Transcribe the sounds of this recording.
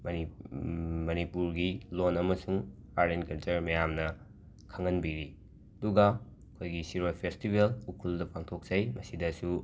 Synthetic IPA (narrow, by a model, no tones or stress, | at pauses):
mɐi | mɐnipuɾɡilonɐmɐsuŋ | aɾenkɐlt͡ʃɐɾmɐjamnɐ | kʰɐŋɐnbiɾi | ɐduɡɐ | ɐkʰojɡisiɾojpʰestibelukʰuldɐpʰaŋtʰok̚z̥ɐjmɐsidɐsu